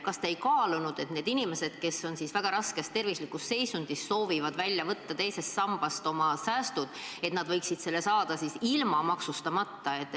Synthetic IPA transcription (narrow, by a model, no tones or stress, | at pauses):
kɑst̪ejkɑːlunud̪̥e̞t̪ne̞ːd̪̥inime̞se̞d̪̥ke̞sːo̞nsisvæɡ̥ɑɾɑske̞st̪ːe̞rvislikːˑusse̞jsund̪̥isːo̞ːvivɑd̪vælʲːjɑvɤt̪ːɑt̪e̞jse̞st̪sɑmb̥ɑst̪o̞mɑsæːst̪ud̪̥e̞t̪nɑd̪̥vɤ̞jksid̪̥se̞lːesɑːd̪̥ɑsisilmɑmɑksust̪ɑmɑt̪ːɑe̞t̪ːˑ